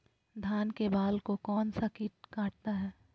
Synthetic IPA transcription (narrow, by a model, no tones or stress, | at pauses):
d̪ʱaːnkebaːlkokɔːnsakiːʈ̚kãːʈ̚t̪aɦɛː